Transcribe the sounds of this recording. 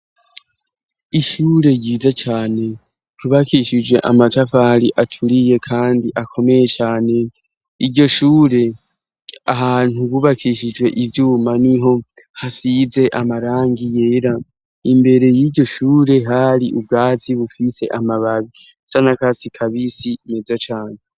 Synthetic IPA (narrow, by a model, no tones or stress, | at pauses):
iʃuːɾe̞ɟiːzat͡ʃaːne̞ | kʰuβakiʃid͡ʒwe̞ʔamatafaɾiʔatʰuɾije̞kʰaːndiʔakʰo̞me̞je̞t͡ʃaːne̞ | iɾɟo̞ʃuːɾe̞ | aɦaːn̥huβuβakʰiʃid͡ʒwe̞ʔivjuːmaniɦo̞ | hasize̞ʔamaɾaːŋɡije̞ːɾa | imbe̞ɾe̞jiɟɟo̞ʃuːɾe̞ɦaɾiʔub̚ɡaːtʰiβufise̞ʔamaβaβi | sanakasikʰaβisimezat͡ʃaːne